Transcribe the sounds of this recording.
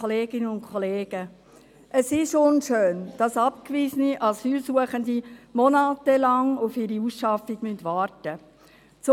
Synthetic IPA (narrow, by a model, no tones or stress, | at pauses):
ɔleːɡ̥ɪnənʊnkʰχɔleːɡ̥ə | ʔəsɪʃʊnʃøːnd̥ɑsɑp̚kʋizəniʔɑsyːlsuəχəndimɔnɑːtəlɑŋʊfɪɾiusʃɑfiɡ̥myntʋɑːrtə | t͡sʊ